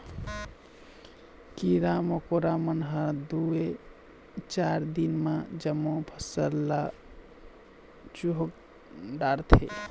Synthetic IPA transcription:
kiɾamokoɾamənɦəɾd̪ue | t͡ʃaɾd̪inmad͡ʒəmːopʰəsəla | t͡ʃuɦok̚ | ɖaɾt̪ʰḛ

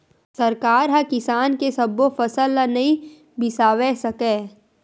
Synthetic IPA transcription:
sɐɾkaːɾɦãkɪsaːnkesɐbofɐsəlːanɐɦĩ | bɪsaːwesɐkẽː

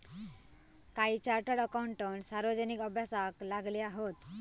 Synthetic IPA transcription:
kajt͡ɕaɾʈaɾɔkawuɳʈɔɳsaɾbɔd͡ʑɔnikɔbʱjasaklaɡlejaɦot̪

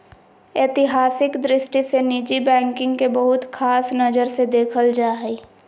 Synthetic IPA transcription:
eːt̪ɪɦaːsɪkd̪ɾɪsʈiseniːd͡ʒibɛ̃ːŋkɪ̃ŋɡkebəɦʊt̪kʰaːsnɐd͡ʒəɾsed̪eːkʰəld͡ʒaːɦiː

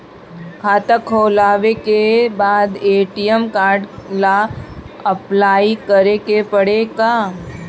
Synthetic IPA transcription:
kʰaːt̪əkʰoːlaːʋekebaːd̪eːʈijəmkaːɾɖla | ɐplaːikəɾekepɐɽekaː

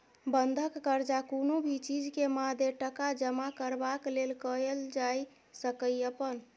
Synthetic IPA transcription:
bənd̪ʱəkːəɾd͡ʒakonobʱit͡ʃid͡ʒkemad̪ʱjeʈəkad͡ʒəmakəɾbaklelkəeld͡ʒaj | səkəjəpən

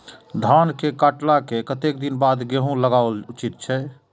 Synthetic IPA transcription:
d̪ʱankekaʈlakekət̪ek̚d̪inbad̪ɡeɦũləɡaout͡ʃit̪̚t͡ʃʰɛ

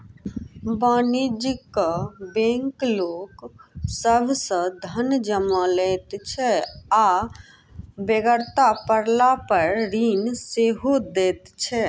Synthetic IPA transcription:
banid͡ʒikəbɛ̃ŋkloksəbʱsə̃d̪ʱənd͡ʒəməlɛt̪t͡ʃʰɛa | beɡəɾt̪apəɾlapəɾɾinseɦod̪ɛt̪t͡ʃʰɛ

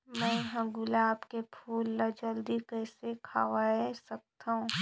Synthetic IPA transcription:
mɛ̃ːɦə̃ɡʊlaːbkepʰuːlːɐd͡ʒəld̪ikɛːsekʰaːʋasɐk̚t̪aɦũː

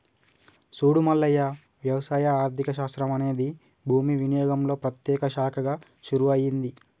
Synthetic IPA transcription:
suːɽumɐlːɐjɐ | ʋjɐʋɐsaːjɐaːɾt̪ʰikɐʃ̬aːst̪ɾɐmɐne̞ːd̪i | bʱuːmiʋinijoːɡɐmlo̞ːpɾɐt̪jɛːkɐʃaːkʰɐɡaː | ʃuɾuɐjind̪i

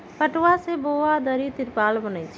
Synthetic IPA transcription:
pəʈwaseboːad̪əɾit̪ɪɾpaːlbənəit͡ʃʰ

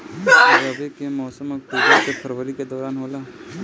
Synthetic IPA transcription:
aɾɐbʱikemɔːsəmk̚psepʰəɾʋəɾiked̪ɔːɾaːnɦoːlaː

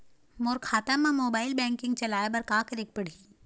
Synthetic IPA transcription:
moːɾkʰaːt̪əmːãmoːbaːɪlbɛ̃ːŋkɪ̃ŋɡ̚t͡ʃɐlaːebɐɾkaːkɾɪk̚pɐɽ̤iː

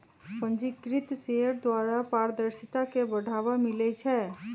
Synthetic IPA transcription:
pə̃nd͡ʒikɾɪt̪seəɾd̪waːɾapaːɾəd̪əɾsɪt̪akebəɽʱaːʋamɪlɛt͡ʃʰɛː

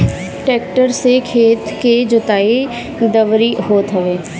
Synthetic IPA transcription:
ʈeːk̚ʈəɾsekʰeːt̪ked͡ʒʊt̪aːe | d̪əʋɾiɦoːt̪ɦəʋeː

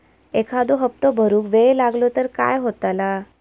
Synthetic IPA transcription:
ekʰad̪oɦəp̚t̪ɔbʱəɾuːkʋelaɡlɔt̪əɾka̰jɦot̪ala

